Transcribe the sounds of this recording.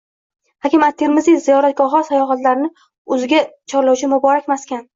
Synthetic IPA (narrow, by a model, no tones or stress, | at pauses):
hakʲɪmat̪ʰːeɾmɪzizijɒɾat̪̚ɡʲɒɦasajɒɦat̪laɾɪnɪ | ɵzɪɡʲat͡ʃʰɒɾlawt͡ʃʰɪmʊbɒɾakʲmaskʲan